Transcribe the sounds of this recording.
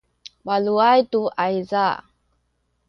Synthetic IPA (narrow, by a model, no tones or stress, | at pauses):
waluajtuʔaiza